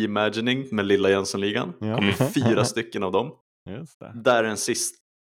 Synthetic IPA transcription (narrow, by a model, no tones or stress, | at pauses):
ɪmædɪnɪŋmɛlɪlːajɛnsɔnliːɡa̰nkʰɔmːəɾfyːɾast̪ʏkːənavd̪ɔm | d̪æɖɛnsɪst̪